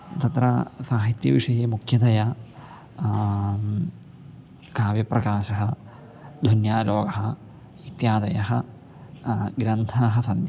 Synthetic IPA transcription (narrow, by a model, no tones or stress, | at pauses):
t̪ɐt̪ɾɐsaːɦit̪jɐʋiʂɐjeːmukʰjɐd̪ɐjɐ | kaːʋjɐpɾɐkaːʃɐɦɐ | d̪ʱunjaːloːɡɐɦɐ | it̪jaːd̪ɐjɐɦɐ | ɡɾɐnt̪ʰaːɦɐ̆sɐnd̪jɐ